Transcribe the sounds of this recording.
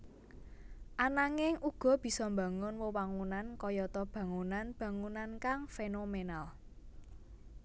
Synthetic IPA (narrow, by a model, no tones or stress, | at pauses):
ʔanaŋɪŋʔuɡ̥ɔ̤b̥i̤sɔmba̤ŋʊnwɔwaŋunankɔjɔt̪ɔb̥ä̤ŋunanb̥ä̤ŋunankaŋfenomenal